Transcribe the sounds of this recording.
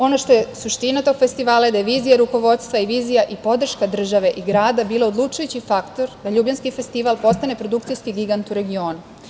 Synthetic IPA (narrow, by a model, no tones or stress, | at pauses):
o̞noʃt̪o̞jesuʃt̪inat̪o̞ːɡ̥fe̞st̪iʋaːlaed̪ajeʋiːzijaɾuko̞ʋo̞t̪st̪ʋaiʋiːzijaʔipo̞d̪r̩ʃkad̪r̩ʒaʋe̞ʔiɡɾaːd̪abiːlˠaod̪lˠut͡ʃujut͡ɕifakt̪o̞ɾd̪aʎuːbʎanskife̞st̪iːʋalˠpo̞st̪ane̞pɾo̞d̪ukt̪sijskiɡiɡant̪uɾe̞ɡio̞ːnu